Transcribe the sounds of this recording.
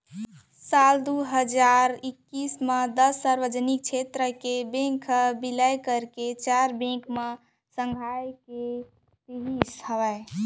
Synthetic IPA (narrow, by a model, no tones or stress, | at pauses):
sald̪uɦəd͡ʒaɾikːismed̪əsːaɾʋəd͡ʒənik̚t͡ʃʰet̪ɾəkebẽŋkʰəbiləjkəɾket͡ʃaɾbẽkme | səŋɡʱajke | t̪iɦishəʋəɪ